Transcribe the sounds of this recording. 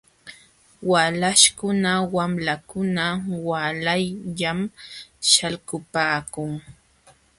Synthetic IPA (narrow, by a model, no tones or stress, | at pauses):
walaʃkʊnawamlakʊnawalajʎamʃalkʊpaːkʊŋ